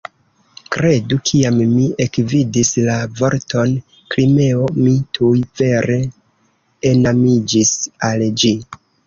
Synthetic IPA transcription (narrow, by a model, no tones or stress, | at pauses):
kɾe̞dukʰiamːie̞kvidislavo̞ɾtʰo̞n | klime̞o̞mitʰujve̞ɾe̞ | enamid͡ʒisald͡ʒi